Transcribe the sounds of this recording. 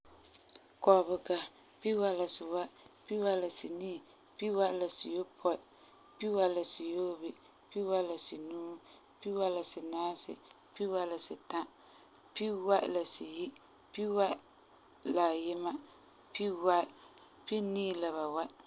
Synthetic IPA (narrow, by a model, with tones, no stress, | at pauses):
kɔ˨bɨ˨ka˨ | pi˦wa˦la˨sɨ˨wa˦pi˦wa˦la˨si˨niː˦˨ | pi˦wa˦˨la˨si˨jo˦pʰɔ˦ɪ˨ | pi˦wa˦˨la˨si˨jo˦bi˨ | pi˦wa˦la˨si˨nuː˦ | pi˦wa˦la˨sɨ˨naː˦sɨ̰˨ | pi˦wa˦la˨sɨ˨ta˦ | pi˦wa˦ʔla˨si˨ji˦ | pi˦wa˦ | la˨jɛ˦ma˦ | pi˦wa˦˨ | pi˦niː˦la˨βa˨wa˦ʔ